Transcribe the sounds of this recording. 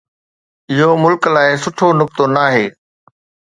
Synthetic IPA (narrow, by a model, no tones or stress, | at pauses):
ɪɦomʊlkəlaːɪsʊʈʰonʊk̚t̪onaːɦeː